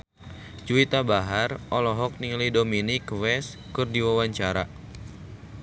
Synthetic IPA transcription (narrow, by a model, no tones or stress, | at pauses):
d͡ʒuit̪abaɦarʔɔlɔɦɔk̚niŋlidominikwɛs | kɨrdiwawaɲt͡ʃaɾa̰